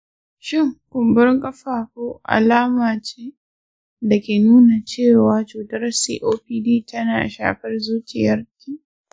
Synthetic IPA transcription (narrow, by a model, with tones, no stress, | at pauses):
ʃɪ˦˨ŋkʷʊ˨mbʊ˦rŋkʼɐ˦ɸaː˨koː˦ʔa̰˨laː˦maː˨t͡ʃeː˦ | dɐ˨kʲeː˨nuː˦na˨t͡ʃeː˦˨waː˨t͡ʃuː˨tɐ˦rsḭː˦ʔoː˦ɸiː˦diː˦˨tʰɐ˦naː˨ʔa˨ʃa̰ː˨ɸɐ˦rzuː˦t͡ʃɪ˨jɐ˦rkʲiː˦